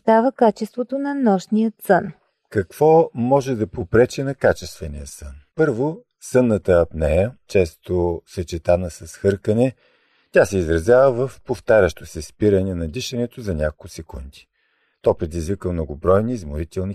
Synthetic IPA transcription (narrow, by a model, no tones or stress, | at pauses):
sd̪avəkat͡ʃɛst̪vot̪onɐnɔʃnijət̪sən | kɐkv̥ɔmɔʒɛd̪ɐpopɾɛt͡ʃɛnɐkat͡ʃɛst̪vɛnijəsənpɤɾvo | sɤnːət̪əɐpnɛjət͡ʃɛst̪osɐt͡ʃɛt̪anəsɐsxɤɾkənɛ | tʲasɛizɾɐzʲjavəvəfpoft̪aɾʲəʃt̪osɛspiɾənɛnɐd̪iʃɐnɛt̪ozɐnʲakolˠkusɛkund̪i̥ | t̪ɔpɾɛd̪izvikəmnoɡʊbɾɔjnizmʊɾit̪ɛlˠni